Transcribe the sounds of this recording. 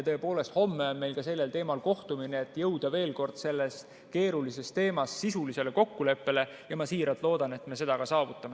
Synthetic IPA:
ɑt̪ɤe̞po̞ːle̞st̪ho̞mːe̞onme̞jlkɑse̞lːe̞lt̪e̞ːmɑlko̞ht̪umineːt̪ːˑjɤwd̪̥ɑve̞ːlko̞rd̪̥se̞lːe̞st̪ | ke̞ːɾulise̞st̪e̞ːmɑsːisulise̞le̞ko̞kːule̞pːe̞le̞ | jɑmɑsiːɾɑt̪ˑlo̞ːd̪̥ɑne̞t̪me̞se̞d̪̥ɑɡ̥ɑsɑːvut̪ˑːɑme

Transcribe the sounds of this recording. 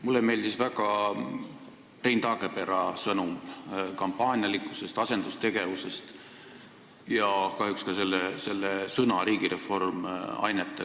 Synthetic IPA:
mulːeme̞ːld̪isvæɡ̥ɑ | prejnt̪ɑːɡe̞pe̞ɾɑsɤnumkɑmpːɑːnʲjɑlikːˑuse̞st̪ɑse̞nd̪ust̪e̞ɡ̥e̞vuse̞st̪ | jɑkɑɦjukskɑse̞lːese̞lːesɤnɑɾiːɡ̥iɾe̞fo̞rmɑ̰jnet̪ːˑe

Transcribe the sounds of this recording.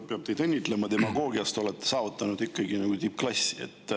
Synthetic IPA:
peɑb̥̚t̪e̞jd̪enʲːit̪ˑle̞mɑt̪e̞mɑɡo̞ːɡiɑst̪o̞le̞t̪ːesɑːvut̪ːˑɑnud̪̥ikːɑɡinɑɡ̥ut̪ipklɑsḛt̪ːˑ

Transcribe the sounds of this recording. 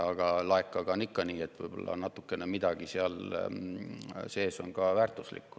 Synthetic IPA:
ɑɡ̥ɑlɑekːɑɡɑonːikːɑniːe̞t̪ːvɯ̰jb̥olːɑ̰nɑt̪ːˑukːe̞nemid̪ɑɡ̥iseɑl | se̞ːso̞̰nɡɑvæːrt̪ːˑuslḭkːu̥

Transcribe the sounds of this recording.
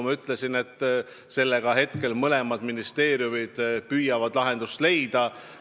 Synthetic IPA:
mɑyt̪ːˑle̞sine̞t̪ˑː | se̞lːe̞ɡ̥ɑɦe̞t̪ke̞lmɤle̞mɑd̪̥minist̪e̞ːɾijumid̪̥pyjɑvɑd̪̥lɑɦe̞nd̪̥ust̪le̞jd̪̥ɑ

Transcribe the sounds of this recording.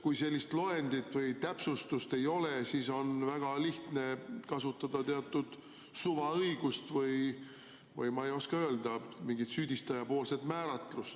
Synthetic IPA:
kujse̞lʲːist̪lo̞end̪̥it̪ːˑvɤjt̪æpsust̪ust̪e̞jo̞lesiːso̞nvæɡ̥ɑliht̪ne̞kɑsut̪ːˑɑd̪̥ɑt̪eɑt̪ːˑud̪̥ | suvɑɤjɡ̥ust̪vɯj | vɯ̰jmɑejo̞skɑø̞ld̪̥ɑmiŋɡit̪syːd̪̥ʲist̪ɑjɑpo̞ːlse̞t̪mæːɾɑt̪ːˑlust̪

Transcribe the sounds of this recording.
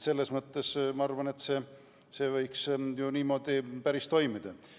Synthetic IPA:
se̞lːesmɤt̪ˑːesmɑɑrvɑne̞t̪se̞ | se̞ːvɤjksjuniːmo̞ːd̪̥ipæɾist̪o̞jmid̪̥ɑ

